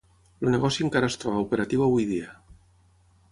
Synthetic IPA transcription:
luneɣɔsjueŋkaɾast̪ɾoβaupeɾat̪iβaβujðia

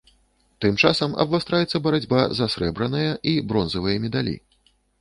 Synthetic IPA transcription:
t̪ɨmt͡ʂasɐmɐ̰bvast̪ɾajɛt̪sːɐbɐɾad͡zʲbazasɾɛbɾɐnɐjɐʔibɾɔnzɐvɨjɐmʲɛd̪alʲḭ

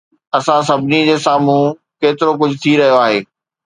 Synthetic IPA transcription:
ɐsãs̬ɐbʱɪnid͡ʑeːsaːm̤ũ | keːt̪ɪɾok̬ʊd͡ʑʱʊt̪ʰiɾɐɦijoaːɦeː

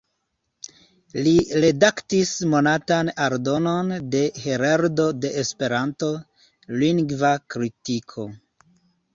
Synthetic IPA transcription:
liɾe̞daktismo̞natanaɾdo̞no̞nde̞he̞ɾaɾdo̞de̞ʔespe̞ɾanto̞ | liŋɡvakɾitikʰo̞

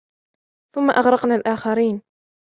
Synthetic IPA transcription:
θʊmːaʔɑɣɾɑqnalʔaːxaɾiːn

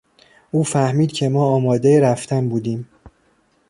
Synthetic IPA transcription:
ʔuːfæhmiːd̪̥cʰe̞mɒːɒːmɒːd̪e̞jeɾæft̪ʰænbuːd̪iːm

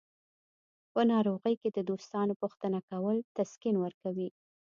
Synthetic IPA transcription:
pənɑɾoɣəjked̪əd̪ost̪ɑnopuxt̪ənakawəlt̪askinwəɾkawi

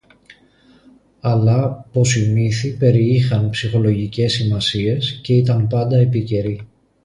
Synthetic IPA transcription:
ɐlɐpo̞simiθipe̞ɾiixɐnpsixo̞lo̞ʝice̞sːimɐsie̞sce̞it̪ɐmpɐnd̪ɐepice̞ɾi

